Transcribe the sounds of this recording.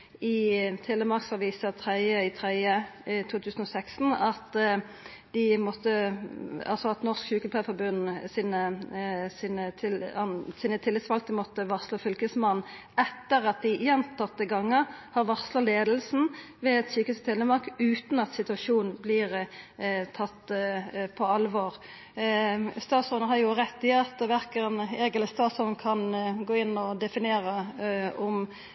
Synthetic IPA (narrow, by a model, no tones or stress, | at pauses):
ɪt̪ʰɛlːəmɑʁksɑʋiːsɑt̪ʰʁɛɪəɪt̪ʰʁɛɪət̪ʰuːt̪ʰʉːsn̩ɔsɛkst̪n̩ɑt̪ | d̪̥ɪmɔt̪ːə | ɑ̰lsɔɑt̪nɔʁskʃʉːkəlpʰefɔbʉnːsiːnəsinət̪ʰɪlɑsiːnət̪ʰɪlːɪsʋɑlk̚t̪əmɔt̪ːəʋɑʁsloːfʏlkəsmɑnː | ɛt̪ːəʁɑt̪̚d̪ɪjɛnt̪ʰɑt̪̚ːəɡɑŋːəhɑɾʋɑʁslɑleːd̪lsn̩ | ʋɛɛd̪syːkəst̪ʰɛləmɑʁkʉːt̪n̩ɑt̪sɪt̪ʉɑʃuːnblɪɾ | t̪ʰɑt̪ːpʰɔɑlʋoːʁ | st̪ɑːt̪sɔnɦɑɾjʊʁɛt̪ːɪɑt̪ʋæɾkəɾəneːɡɛləst̪ɑːt̪sɔnkʰɑnɡoːɪnːɔd̪ɛfɪneːɾəɔm